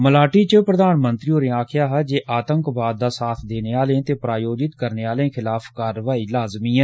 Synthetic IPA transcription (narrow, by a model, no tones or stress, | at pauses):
məlaːʈit͡ʃəpɾəd̪aːnmə̃nt̪ɾiõneaːkʰɪjaːɦɛd͡ʒeːʔaːt̪ə̃ŋkbaːd̪̚ːaːsaːt̪ʰd̪eːneaːlẽt̪eːpɾaːjoːd͡ʒɪt̪kəɾneaːlẽkʰɪlaːfʰkaːɾəʋaːilaːzmiːɦɛ̃ː